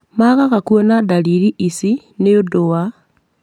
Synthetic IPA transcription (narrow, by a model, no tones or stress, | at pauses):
maɣaɣakuonadaliɾiʔisi | neodoa